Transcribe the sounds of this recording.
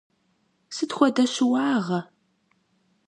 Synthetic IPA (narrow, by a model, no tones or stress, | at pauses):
sɨtxʷɔdɐɕɪwɑːʁɐ